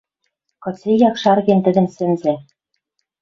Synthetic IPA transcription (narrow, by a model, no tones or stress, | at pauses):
kŏt͡sejɑkʃɑrɣent̪ɘ̆d̪ɘ̆nsɘ̆nze